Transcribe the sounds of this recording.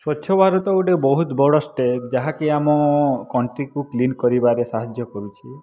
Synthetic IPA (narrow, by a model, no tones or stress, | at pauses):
swɔtːʃʰɔbʱaɾɔt̪ɔuʈebɔɦut̪bɔɽɔsʈed͡ʒaɦakeamɔkɔɳʈɾikuklinkɔɾibaɾesaɦad͡ʒjɔkɔɾut͡ʃʰi